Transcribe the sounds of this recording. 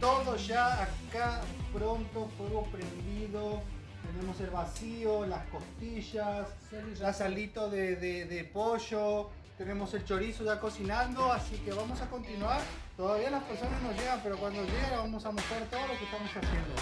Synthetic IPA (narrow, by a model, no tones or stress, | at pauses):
t̪oðoʒaːkapɾo̞nt̪ofweɣopɾend̪iðo | t̪e̞ne̞mo̞se̞lβasiolasko̞st̪iʃas | asalit̪oðeðeðepoʃo | t̪ene̞mose̞lt͡ʃo̞ɾisoʒako̞sinãnd̪oasike̞βamo̞sako̞nt̪inwaɾ | t̪oðaβialaspeɾso̞naznozʒeɣampe̞ɾokwand̪oʒeɣaβamo̞samost̪ɾaɾt̪oðolo̞kehst̪amo̞sasje̞nd̪o̰